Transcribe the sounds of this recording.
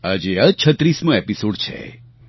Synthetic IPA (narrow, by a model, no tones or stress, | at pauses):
ad͡ʒeət͡ʃʰət̪ɾismũepisoɖt͡ʃʰḛ